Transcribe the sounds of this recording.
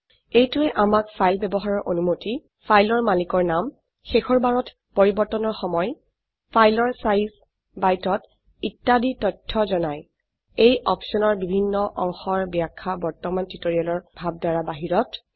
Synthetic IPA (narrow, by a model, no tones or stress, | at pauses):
ejtuɛʔamakpʰajlbɛbɔɦaɹɔɹʔonumoti | pʰajlɔɹmalikɔɹnam | xexɔɹbaɹɔt | poɹibɔɹtɔnɔɹxɔmɔj | pʰajlɔɹsajis | bajtɔt | itːaditɔtʰːɔzɔnaj | ejʔɔpsɔnɔɹbibʱinːɔʔɔŋxɔɹbiakʰːabɔɹtɔmantitoɹialɔɹbʱab̚daɹabaɦiɹɔt